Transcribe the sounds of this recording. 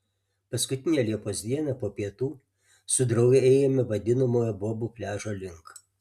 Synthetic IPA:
pɐskʊt̪ʲɪnʲejɛlʲiɛpoːsʲd̪ʲiɛnɐpoːpʲiɛt̪uː | sʊd̪ɾɐʊɡʲɛɛːɪjɛmʲɪʋɐd̪ʲɪnɐmoːjɛboɔbuːpʲlʲæːʒoːlʲɪŋk

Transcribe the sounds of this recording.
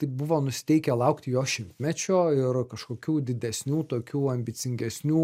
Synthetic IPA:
t̪ɐɪpbʊʋoːnʊsʲɪt̪ʲɛɪkʲɛlˠɐʊkt̪ʲjoːʃʲɪmʲt̪ʲmʲɛt͡ʃʲoːɪrkɐʃkoːkʲuːd̪ʲɪd̪ʲɛsʲnʲuːt̪oːkʲuːɐmʲbʲɪsʲɪŋʲɡʲɛsʲnʲuː

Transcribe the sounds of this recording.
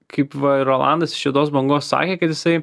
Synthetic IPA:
kʰɐɪpʋɐɪɾoːlˠɑ̰nd̪ɐsɪ̥ʃʋʲiɛt̪oːsbɐŋɡoːssɑ̰ːkʲeːkɐt̪jɪsɐɪ

